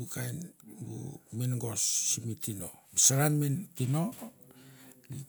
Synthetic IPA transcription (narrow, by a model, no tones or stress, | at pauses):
bukʰajnbṵminɡo̞sːimitino̞̰bisaɾanmentino̞ | li